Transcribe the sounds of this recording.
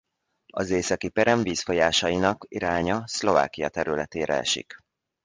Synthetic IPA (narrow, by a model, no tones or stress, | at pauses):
ɒzeːsɒkipɛɾɛɱviːsfo̞jaːʃɒjinɒkiɾaːɲɒslo̞va̰ːkijɒt̪ɛɾylɛt̪eːɾɛ̰ɛ̰ʃḭk